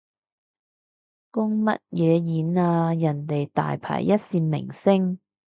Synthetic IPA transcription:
kʊ˥ŋmɐ̰˥t̚jɛː˨˧jiː˨˥naː˧jɐ˨˩nt̪e˨jt̪a̰ː˨jpʰa̰ː˨˩jːɐ˥t̚siː˧mɪ̰˨˩ŋsɪ˥ŋ

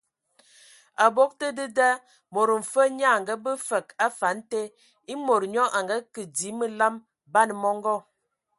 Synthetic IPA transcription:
a˨bo˦k̚tə˦də˦da˦ | mo˨ɾə˨m̩˨fə˦ɲa˦˨ŋɡə˦bə˦fə˨ka˦fa˨˦n̩˦te˦ | i˦mo˨ɾɲɔ˦ʔa˨ŋɡa˦kə˨di˨˦mə˦la˦m | ba˦n˨mɔ˦ŋ˦ɡɔ˦

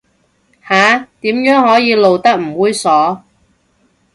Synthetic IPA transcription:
haː˨˥t̪iː˨˥mjœː˨˥ŋhɔː˨˥jiː˨˧lo˨wt̪ɐ˥k̚m̩˨˩wuː˨˥jsɔː˨˥

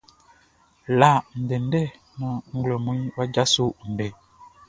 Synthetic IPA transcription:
la˨n̩˨dɛ˨n˦dɛ˦˨ | nɔ̃˨ŋ̩˦ɡlo˨mũ˦i˦wa˦d͡ʒa˦su˦n̩˨dɛ˨

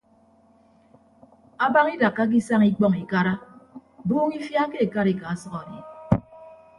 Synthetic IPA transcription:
a˦ba˦ŋi˦da˨kːa˦k̬i˦sa˦ŋi˦k͡pɔ˦ŋi˨ka˦ɾa˦buː˦ŋi˦fja˦ke˦e˨ka˦ɾi˨ka˨a˦sʌ˦kɔ˨dḭ˨

